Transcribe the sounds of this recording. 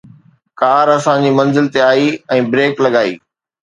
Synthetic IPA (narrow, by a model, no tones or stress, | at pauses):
kaːɾɐsãd͡ʑiːmɐ̃nzɪlt̪eaːiɛ̃ːbɾeːklɐɠaːḭː